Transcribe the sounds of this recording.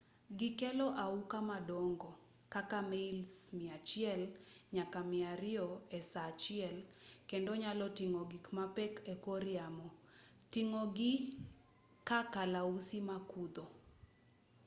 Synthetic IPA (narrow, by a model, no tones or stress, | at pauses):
ɡɪkɛlɔʔaukamadɔŋɡɔ | kakameilsmɪat͡ʃɪɛlɲakamɪaɾɪɔɛsat͡ʃɪɛlkɛndɔɲalɔtiŋɔɡikmapɛkɛkoɾɪamɔ | tiŋoɡɪ | kakalausimakud̪ɔ